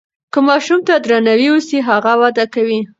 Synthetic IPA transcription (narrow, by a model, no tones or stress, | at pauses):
kəmɑʃumt̪ad̪ɾanawiwusiɦaɣawɑd̪akawi